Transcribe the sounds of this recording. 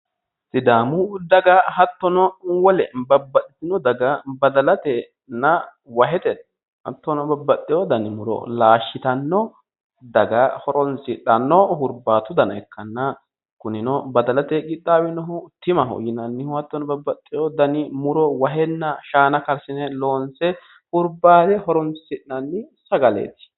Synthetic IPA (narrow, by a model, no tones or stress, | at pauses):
sɪd̪aːmʊd̪ɐɡɐhɐt̪ːɔnɔwɔlɛbɐbːɐt̪ʼːɪ̥t̪ɪnɔd̪ɐɡɐbɐd̪ɐlɐt̪ɛ | nɐ | wɐɦɛt̪ɛt̪ | hɐ̰t̪ːɔnɔbɐbːɐt̪ʼːɪjɔd̪ɐnɪmʊɾɔ̰laːʃːɪt̪ɐnːɔ | d̪ɐɡɐhɔɾɔnsɪᶑɐnːɔhʊɾbaːt̪ʊd̪ɐnɐɛkʰːɐnːɐ | kʊnɪnɔbɐd̪ɐlɐt̪ɛɡɪt̪ːaːwɛnɔɦʊt̪ɪmɐɦo̰jɪnɐnːɪhʊhɐt̪ːɔnɔbɐbːɐt̪ʼːɪjɔd̪ɐnɪmʊɾɔwɐɦɛnːɐʃaːnɐkɐɾsɪnɛlo̞ːnsɛ | hʊɾbaːd̪ɛhɔɾɔnsɪʔnɐnːɪsɐɡɐlḛːt̪ɪ̥